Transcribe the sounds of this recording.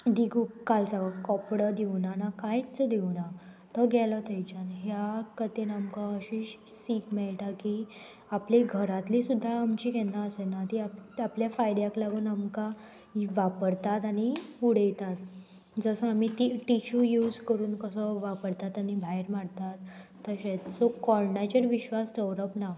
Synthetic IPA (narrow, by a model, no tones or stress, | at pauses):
d̪iɡukalt͡saʋəkɔpɽəd̪iʋnanakajt͡səd̪iʋna | t̪əɡʱɛlət̪əjt͡ɕanɦjakət̪enamkaəɕi | siːkmɛɭʈaki | apleɡʱəɾat̪lisud̪ʱːaːmt͡ɕiɡɛnaəsenat̪iapapljafajd̪jaklaɡuːnamka | ʋapəɽt̪at̪aɽ̃iuɽ̤ejt̪at̪ | d͡zəsəamit̪iʈiɕujuːd͡zkəɾuːnkəsəʋapəɽt̪at̪añibʱajɾmaɽt̪at̪ː | əɕet͡ssokɔlnat͡ɕəɾʋiɕʋasʈəʋɾəpna